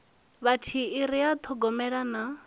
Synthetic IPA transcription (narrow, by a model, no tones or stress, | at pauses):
βatʰiːɾijat̪ʰɔɡɔmɛɺana